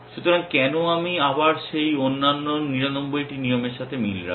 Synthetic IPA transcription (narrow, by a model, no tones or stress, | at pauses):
ʃut̪oɾaŋkɛnoamiabaɾʃejonːanːoniɾanombojʈinijomeɾʃat̪ʰemilɾa̰